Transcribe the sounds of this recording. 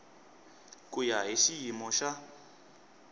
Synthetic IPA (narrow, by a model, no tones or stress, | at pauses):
kʼujaɦiʃijimɔʃa